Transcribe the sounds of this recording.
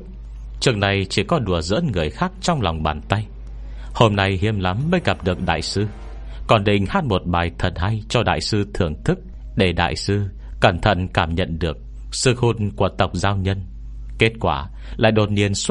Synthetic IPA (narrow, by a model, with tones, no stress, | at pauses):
t͡ɕɨ˨˧˥ək̚na˨˩jt͡ɕi˧˩kɔ˨˦ɗu˧˩əzɨ̰˧˥ənŋɨ˨˩əjxaː˦˥k̚t͡ɕɔ˧wŋ͡mla˨˩wŋ͡mɓaː˨˩nt̪a˧j | ho˧mna˧jhḭ˧˥əmla˨˦mːəː˧jɣa˨˩p̚ɗɨ˨˩ək̚ɗa̰ː˧˨jsɨ˧ | kɔ˨˩nɗḭ̈˧˨ŋ̟haː˦˥t̚mo˨˩t̚ɓaː˨˩jt̪ʰə˨˩nha˧jt͡ɕɔ˧ɗa̰ː˧˨jsɨ˧t̪ʰɨ˧˩əŋt̪ʰɨ˦˥k̚ | ɗe˧˩ɗa̰ː˧˨jsɨ˧ | ka˧˩nt̪ʰə̰˧˨nkaː˧˩mɲə̰˧˨nɗɨ˨˩ək̚ | sɨ˧xu˧nku˧˩ət̪ə˨˩wk͡p̚zaː˧wɲə˧n | ke˦˥t̚kwaː˧˩ | la̰ː˧˨jɗo˨˩t̚ni˧əns